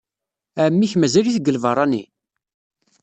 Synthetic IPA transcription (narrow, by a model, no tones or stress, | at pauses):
æmːiçmæzæliθɡəlvɑrˤɑnḭ